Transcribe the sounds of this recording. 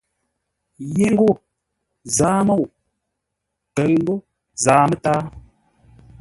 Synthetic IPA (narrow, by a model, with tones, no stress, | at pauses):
je˦ŋ̩˦ɡo˦˨ | zaː˨˦mo˦˨w | tə˨ɰŋ̩˦ɡo˦ | zaː˨˦mə˦taː˦